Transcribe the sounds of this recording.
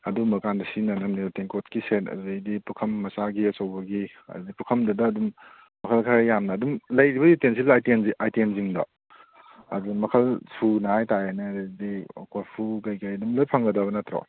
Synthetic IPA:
ɐdumɐkandɐsinɐnɐmniteŋkotkisetɐ̰zejdipukʰɐmːɐsaɡiɐsɐwbɐɡi | ɐ̰ddipukʰɐmdɐdɐːdum | mɐkʰɐlkʰaɾajamnɐːdumlɐjɾibɐjutensilajtenajtenziŋdɐ̰ | a̰zumɐkʰɐlsʰunɐhajtajanɐdio̰kolpʰukajkajɐdumlojpʰɐŋɡɐdɐβɐnɐtɾo̰

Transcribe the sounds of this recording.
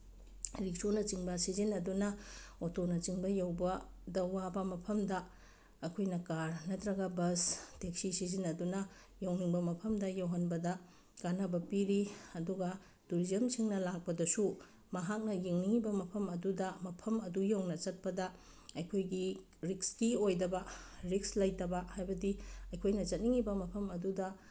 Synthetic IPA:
ɾik̚sonɐt͡ʃiŋbɐsizinɐdunɐotonɐt͡ʃiŋbɐjɐwbɐ | dɐwːabɐmɐpʰɐmdɐ | ɐkʰojnɐkaɾnɐtɾɐɡɐbɐstek̚sisizinɐdunɐ | jawniŋbɐmɐpʰɐmdɐjawɦɐnbɐdɐ | kanɐbɐpiɾiɐduɡɐ | tuɾizɐmsiŋnɐlak̚pɐdɐsu | mɐɦak̚nɐjiŋniŋibɐmɐpʰɐmɐdudɐmɐpʰɐmɐdujawŋnɐt͡ʃɐt̚pɐdɐ | ɐjkʰojɡi | ɾikskiojdɐbɐɾikslɐjtɐbɐhajbɐdiɐjkʰojnɐt͡ʃɐt̚niŋibɐmɐpʰɐmɐdudɐ

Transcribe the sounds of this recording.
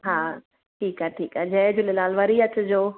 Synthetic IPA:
ɦaː | ʈʰiːkaːʈʰiːkaːd͡ʑɐːd͡ʑʊlelaːlʋəɾiɐt͡ɕʊd͡ʑoː

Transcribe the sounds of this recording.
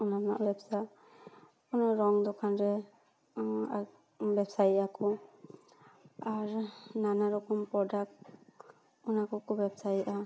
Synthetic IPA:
ɔnana̰ʔbɛbsa | pɔnɔɾɔŋd̪ɔkʰanɾɛ | a | bɛbsajʔakɔ | aɾnanaɾɔkɔmpɾɔdak̚t | ɔnakɔkʰubɛbsajiʔa

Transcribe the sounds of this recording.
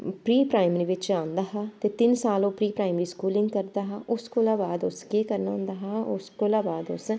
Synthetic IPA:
pɾiːpɾaːɪməɾiːʋɪt͡ʃãːnd̪aːɦaːt̪eːt̪ɪnsaːloːpɾiːpɾaːɪmɾiːskuːlɪ̃ŋɡkəɾd̪aːɦaːʔʊskoːlaːbaːd̪ʊskeːkəɾnaːʊ̃nd̪aːɦaːʊskoːlaːbaːd̪ʊ̰s

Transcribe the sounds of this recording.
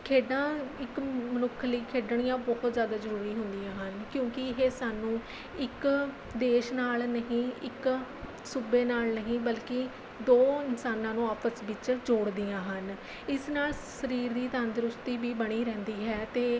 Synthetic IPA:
kʰeːɖãːɪkmənʊkʰləiːkʰeːɖəɳ̃ijãːbɔːɦt̪zjaːd̪aːzəɾuːɾiːɦʊnd̪ijãːɦənkjõːkɪɪɦeːsaːnũː | ɪk | d̪eːʃnaːlnəɦĩːɪk | subeːnaːlnəɦĩːbəlkɪ | d̪oːɪnsaːnãːnũːaːpʰəsʋɪt͡ʃd͡ʒoːɽd̪ijãːɦən | ɪsnaːlsəɾiːɾd̪iːt̪aːnd̪ɾʊst̪iːbiːbəɽ̃iːɾɛ̃ːnd̪iːɦɛːt̪eː

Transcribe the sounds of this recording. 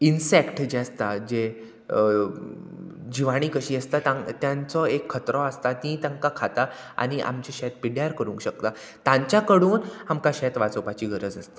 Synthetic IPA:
insekʈd͡ʑeast̪ad͡ʑe | d͡ʑiʋaɽ̃iːkəɕiːəst̪at̪ãt̪jãnt͡sɔekʰːət̪ɾɔast̪at̪ĩt̪ãŋkakʰat̪aa̰ɽ̃iʔa̰mt͡ɕeɕɛt̪̚piɽjaɾkəɾũŋkɕək̚t̪a | t̪ãɲt͡ɕjakəɽuːnhamkaɕɛt̪ʋat͡sopat͡ɕiːɡəɾəd͡zəst̪ḁ

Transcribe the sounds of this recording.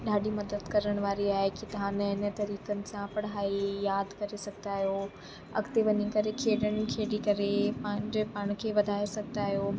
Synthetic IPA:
ɗaːɗimɐd̪əd̪kɐɾəɽ̃ʋaːɾiaːɦekit̪ɐɦãːnəɦɪnə̆t̪ɐɾiːkənɪ̆sãpɐɽɦaːijaːd̪kɐɾesɐɡʱt̪aːɦijo | ɐ̰ɡt̪eʋɐɲikɐɾekʰeːɗəɽ̃ɪkʰeːɖikɐɾepãːɪ̃ɲd͡ʑpaːɽ̃kʰeːʋɐd̪ʱaːesɐɡ̚ʱt̪aːɦijoː

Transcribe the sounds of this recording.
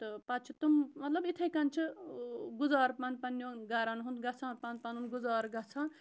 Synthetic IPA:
t̪ɨpat͡ʃʰit̪ummɐt̪lɐbit̪ʰɐjkɐnt͡ʃʰɨɡuzaːɾpɐnpɐnjõɡaɾanɦund̪ɡɐt͡sʰãːpanpɐnunɡuzaːɾɡɐt͡sʰãː

